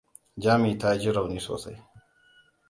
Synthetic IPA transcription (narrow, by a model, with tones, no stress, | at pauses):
d͡ʒaː˦mi˨ta˦d͡ʒɪ˦ɾɐ˨wniː˦so̰ː˨sa̰˦j